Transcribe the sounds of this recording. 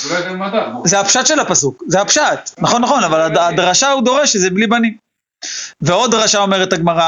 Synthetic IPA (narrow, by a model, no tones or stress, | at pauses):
zeapʃat̪ʃe̞lapasukzeapʃat̪naχonːaχo̞navaladad̪ʁaʃaud̪o̞ʁe̞ʃezeblibani | ve̞o̞d̪ʁaʃao̞me̞ʁet̪aɡmaʁa